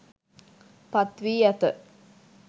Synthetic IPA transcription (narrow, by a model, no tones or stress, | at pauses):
pat̪ʋiːjat̪ə